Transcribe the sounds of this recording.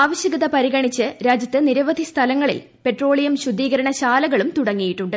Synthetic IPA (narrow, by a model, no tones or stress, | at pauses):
aːʋɐɕjɐɡɐðɐpɐɾiɣɐɳit͡ɕːɨɾaːd͡ʑjɐt̪ːɨniɾɐʋɐd̪ʱist̪ʰɐlɐŋːɐɭḭl | pe̞ʈro̞ːɭijɐmɕud̪ːiːɣɐɾɐɳɐɕaːlɐɣɐɭumt̪uɽɐŋːijiʈːuɳɖɨ